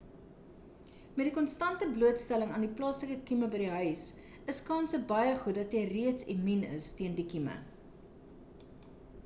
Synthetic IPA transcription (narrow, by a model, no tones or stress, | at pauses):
mɛtdikɔnstɐntəbluətstæləŋɑndiplɑːsləkəkiməbədiɦœɥs | əskɑːnsəbɐjəχut̚dɐtɛjriətseminə̰stiəndikimə̰